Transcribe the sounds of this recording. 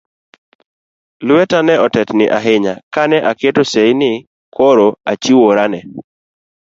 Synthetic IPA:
lwɛtanɛɔtɛtnɪʔaɦɪɲakanɛʔaketosejnɪ | kʰoɾoat͡ʃiwoɾanɛ

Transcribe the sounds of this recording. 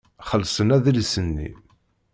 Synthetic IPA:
χəlːsənæðlisənːḭ

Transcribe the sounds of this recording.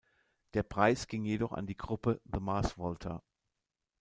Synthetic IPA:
d̥eːɐpʁ̥aɪsɡ̥ɪŋjedɔχa̰ndiːɡʁʊpəðəmasv̥ɔltʰɐ̰

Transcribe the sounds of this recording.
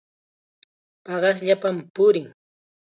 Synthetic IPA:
pɑɢɑs̬ʎapampʊɾɪŋ

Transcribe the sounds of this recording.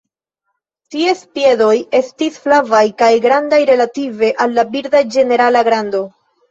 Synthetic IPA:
tie̞spie̞do̞je̞stisflavajkajɡɾandajɾe̞lative̞ʔalːabiɾdad͡ʒe̞ne̞ɾalaɡɾando̞

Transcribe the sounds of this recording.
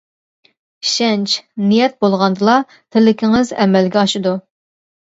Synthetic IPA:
ʃɛnt͡ʃnijɛt̪̚bolˠʁɑnd̪ɨlˠɑ | t̪ʰɪlːɪkʲʰɪŋɪzɛ̰mɛlɡʲɛɑʃɨd̪u

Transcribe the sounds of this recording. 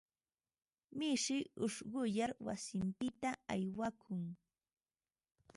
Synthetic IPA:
mɪʃɪʊʃɢʊjaɾwa̰sɪmpɪt̪aajwakʰʊŋ

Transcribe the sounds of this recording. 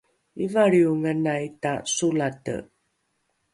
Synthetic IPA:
ivaɾiuŋanajtasulatə̰

